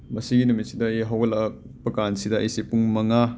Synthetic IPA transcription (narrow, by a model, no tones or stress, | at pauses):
mɐsiɡinumit̚sidɐeɦawɡɐlɐk̚ | pɐkansidɐɐ̰jsipuŋmɐŋa